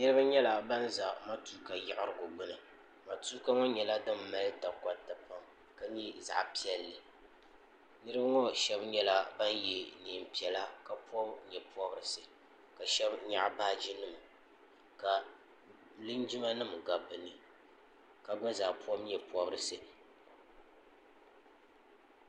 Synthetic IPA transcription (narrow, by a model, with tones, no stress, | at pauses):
nɨ˦ɾɨ˦ba˦ɲɛ˦la˨ba˦nza˨ma˦tu˨˦ka˨ja˨ʔɪ˦ɾɨ˦˨ɡʊ˨ɡ͡bɨ˦nɨ˨ | ma˨tu˦ka˦ŋɔ˦ɲɛ˨la˦dɨ˦m˦ma˦lɨ˦ta˨ka˦tɨ˨pa˦m | ka˦ɲi˦za̰˨ʔpi˦ɛ˦lːɨ˨ | nɨ˦ɾɨ˦bŋɔ˦ʃɛ˦bɲɛ˦la˦ba˦njɛ˦niː˨m̩˨pi˨ɛ˨la˦ka˦pɔ˦bɲɛ˨pu˦ɔ˦bɨ˨ɾɨ˨sɨ˦ | ka˨ʃɛ˦bɲa˦ʔbaː˦d͡ʒi˦nɨ˦˨m˨ | ka˨ | lɨ˦nd͡ʒi˦ma˦nɨ˦mɡa˨bɨ˨nɨ˨ | ka˨ɡ͡bɨ˦nza˨ʔpu˦ɔ˦mɲɛ˨pu˦ɔ˦bɨ˦ɾɨ˨sɨ˦